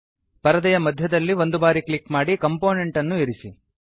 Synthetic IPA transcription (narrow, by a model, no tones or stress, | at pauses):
pɐɾɐd̪ɐjɐmɐd̪ʱjɐd̪ɐlːiʋo̞nd̪ubaːɾiklikmaːɽikɐmpo̞ːne̞ɳʈɐnːuiɾisi